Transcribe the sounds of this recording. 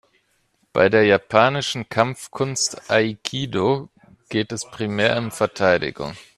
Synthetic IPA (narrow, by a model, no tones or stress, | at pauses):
b̥a̰ɪdeːɐjapʰaːnɪʃn̩kʰamfkʰʊnstʔaikʰiːdo | ɡ̥eːtɛspʁ̥imɛːɐʊmfɛɐtʰaɪdɪ̰ɡʊ̰ŋ